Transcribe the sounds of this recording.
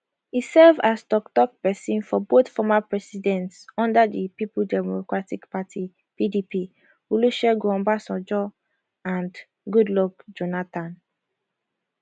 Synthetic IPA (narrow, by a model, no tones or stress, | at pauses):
isɛvastɔktɔk̚pɛsĩnfɔbot̪fɔmapɹɛsidɛ̃ntsɔ̃ndadipipuldɛmokɹatikpatʰi | pidipi | uluʃɛɡɹɔ̃mbasɔd͡ʒɔ | ãnd | ɡudlɔk̚d͡ʒonatãn